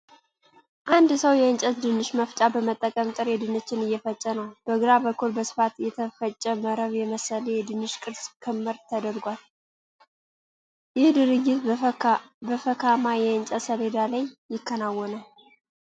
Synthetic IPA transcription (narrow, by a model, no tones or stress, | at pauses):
ʔand̪səwjɛɨnt͡ʃʼət̪d̪ɨnːɨʃməft͡ʃʼabəmət̪ʼːəkʼəmt̪ʼɨɾjɛd̪ɨnət͡ʃːɪnɨjːɛfət͡ʃʼːənəwb̪̥əɡɾabəkːulbəsɨ̥fat̪jɛt̪ʰəfət͡ʃʼːəməɾəβjɛməsəlejɛd̪ɨnːɨʃkʼɨɾskʰɨmːɨɾt̪ʰəd̪əɾɡʷal | jɪhd̪ɨɾɨɡːɪt̪ | bəfəkʰamajɛɨnt͡ʃʼəsəled̪alajːɪkʰːənawːɔna